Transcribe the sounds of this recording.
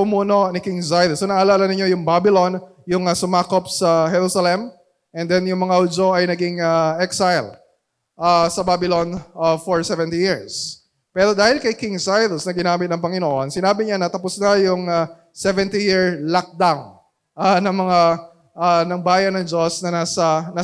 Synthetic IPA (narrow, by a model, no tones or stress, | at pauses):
pʊmuːno̞nɪkɪŋsajðsonɐʔɐlaːlɐnɪɲːo̞jʊŋbaːbɪlo̞n | jʊŋɐsʊmaːkopsɐɦɛɾusɐlɛm | ʔɛnd̪ɛnjʊŋmɐŋaʔud͡ʒoʔɐjnɐɡɪŋaʔɛksajl | ʔasɐbabɪlonɐfoɹsɛvɛ̃nt̪ijɪɹs | pɛːɾo̞d̪aːhɪlkɐjkɪŋsajðsnɐɡɪnaːmɪt̪nɐŋpɐŋɪnoʔo̞nsɪnaːbɪɲanɐt̪ɐpʊsnɐjʊŋɐ | sɛvɛnt̪ijɪɹlɐk̚d̪aŋ | ʔanɐŋmɐŋa | ʔanɐŋbaːjɐnɐŋd͡ʒosnɐnaːsɐna